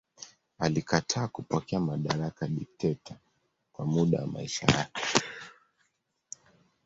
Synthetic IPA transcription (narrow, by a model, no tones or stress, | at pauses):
alikatʰaːkupɔkɛamaɗaɾakaɗik̚tɛtʰa | kwamuɗa̰wa̰ma̰iʃa̰jakɛ